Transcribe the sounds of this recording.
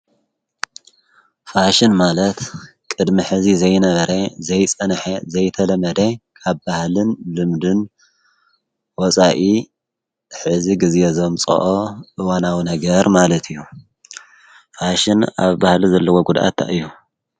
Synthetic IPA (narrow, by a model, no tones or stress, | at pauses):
faʃɪnmalɐt̪ | kʼɨd̪miħɨzizɐjnɐβɐɾezɐjt͡sʼɐnħezɐjt̪ʰɐlɐmɐd̪ekʰaβbahlɨnlɨmd̪ɨn | wɔt͡sʼaʔi | ħɨziɡɨzʔezomt͡sʼɐ̰ʔoʔɨwanawinɐɡɐɾmalɐt̪ʰijːu | faʃɪna̰βbahlizɐlːɐwoɡud̪ʔa̰t̪ʰːa̰ʔɨjːu